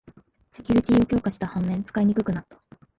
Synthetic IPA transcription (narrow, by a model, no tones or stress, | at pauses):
se̞kʲuɾʲit̪ʲiːo̞kʲo̞ːkaɕi̥t̪ahãmːẽnt͡sɨ̥kaiɲ̟ikɯ̟kɯ̟nat̪ːḁ